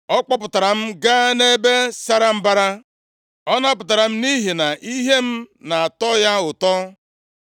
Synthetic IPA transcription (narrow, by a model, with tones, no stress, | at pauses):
ɔ˦k͡pɔ˦pʊ˨ta˨ɾa˨m̩˦ɡa˦ne˦be˦sa˦ɾa˨m̩˦ba˦ɾa˦ | ɔ˦na˦pʊ˨ta˨ɾa˨m̩˦ni˦ɦi˨na˨ʔi˦ɦe˦m̩˦na˨a˨tɔ˦ja˦ʊ˨tɔ˦